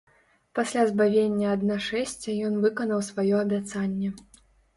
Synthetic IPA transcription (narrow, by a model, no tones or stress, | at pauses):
pasʲlʲazbavʲenʲːɐɐd̪naʂɛsʲt͡sʲɐjɔnvɨkɐnɐwsvajɔɐbʲat̪sanʲːɛ